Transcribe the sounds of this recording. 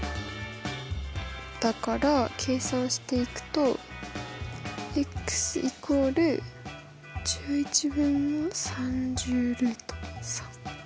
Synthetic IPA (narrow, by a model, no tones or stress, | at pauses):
d̪̥akaɾakʰe̞ːsãɰ̃ɕi̥t̪e̞ikɯ̟̥t̪o̞ | ekːɯ̥sɨʔiko̞ːɾɯ̟ | d͡ʑɨːit͡ɕibɯ̟̃nːosãɲd͡ʑɨːɾɯ̟t̪o̥sḁ̃